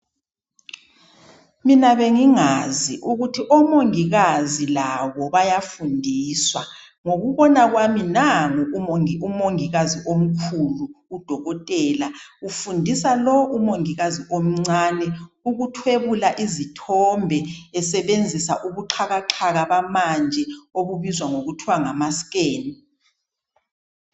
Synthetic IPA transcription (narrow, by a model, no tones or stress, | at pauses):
minaβeŋiŋaziʔuɣutʰiʔɔmoŋiɣazilaβɔβajafundʱiːswa | ŋoɣuβɔnaɣwaminaŋumoŋiɣaziʔom̩kʰuluːd̥ʱɔɣɔtʼɛːlaufundʱisalɔʔumoŋiɣaziʔom̩ŋ͡ǀanɛuɣutʰweβulaʔizitʰɔmbʱɛɛsɛβend͡zʱisaʔuɣuǃʰaɣaǁʰaɣaβamand͡ʒʱɛoβuβizwaŋoɣutʰiwaŋamaskʼeːni